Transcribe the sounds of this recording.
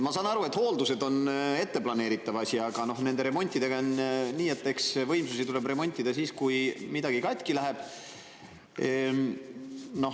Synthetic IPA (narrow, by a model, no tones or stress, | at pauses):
mɑsɑːnɑɾue̞t̪ːˑho̞ːld̪use̞d̪o̞ne̞t̪ːe̞plɑne̞ːɾit̪ːˑɑvɑsʲiɑɡ̥ɑno̞ɦne̞nd̪e̞ɾe̞mo̞nʲt̪ʲːˑid̪e̞ɡɑniːet̪ːe̞ksvɤ̞jmsusit̪ule̞bremo̞nʲt̪ʲːˑid̪ɑsiːskujmid̪ɑɡ̥ikɑt̪ʲˑkilæɦeb̥ | no̞